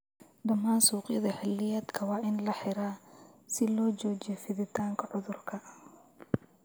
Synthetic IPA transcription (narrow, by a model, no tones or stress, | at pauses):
d̪ɐmːaːnsuːqɪ̰ðɐħɪlːɪjaːd̪kʰɐwɑːʔɪnlɐħɪɾaːsɪlɔːt͡ʃɔːt͡ʃɛfɪðɪt̪ʰaːŋkʰɐʕʊðʊrkʰɐ